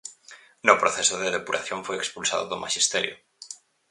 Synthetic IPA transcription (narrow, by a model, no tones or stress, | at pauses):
nʊpɾoθesʊðeðepuɾʔa̰θjoɱfojekspulsa̰ðo̰ðomʔaʃist̪ɛɾjo